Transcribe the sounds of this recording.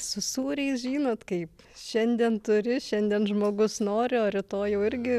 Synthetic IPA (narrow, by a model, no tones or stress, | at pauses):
sʊsuːɾʲɛɪsʒʲiːnoːt̪kɐɪp | ʃʲɛnʲd̪ʲiɛnt̪ʊɾʲɪʃʲɛnʲd̪ʲiɛnʒmoːɡʊsnoːɾʲɪoːɾʲɪt̪oːjɛʊɪɾʲɡʲɪ